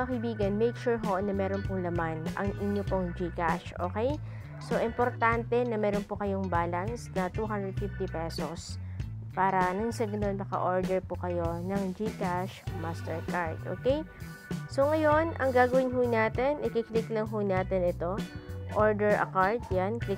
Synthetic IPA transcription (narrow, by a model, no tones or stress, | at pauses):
ɐkɐjbiːɡɐnmɛjkʃuːɹɦonɐmɛːɾonpoŋlɐmanʔɐ̰ŋʔɪnjopoŋd͡ʒikaʃʔo̰ːkɛj | so̞ʔɪmpoɾt̪ant̪ɛnɐmɛːɾonpokɐjo̞ŋbaːlɐnsnɐt̪uɦand̪ɹɛd̪̚fɪft̪ipɛsospaːɾɐnɐŋsɛɡʊnonmɐkɐ̰ʔoɹd̪ɛɹpokɐjo̞nɐŋd͡ʒikaʃmast̪ɛɹkaɹd̪̥ʔo̰ːkɛj | so̞ŋɐjo̞nʔɐ̰ŋɡaːɡɐwɪnɦʊnaːt̪ɛnʔɪkɪklɪklɐŋɦonaːt̪ɛnɪt̪o̞ʔoɹd̪ɛɹʔɐ̰kaɹd̪janklɪ